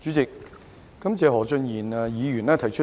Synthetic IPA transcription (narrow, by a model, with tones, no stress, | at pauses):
t͡ʃyː˨˥t͡sɪ˨k̚ː | ɐ˨˥mt͡sɛː˨˧ɦɔː˨˩t͡sɵ˧njiː˨˩nɛ˨jiː˨˧jyː˨˩nɛː˥t̪ʰɐ˨˩jt͡ʃʰɵ˥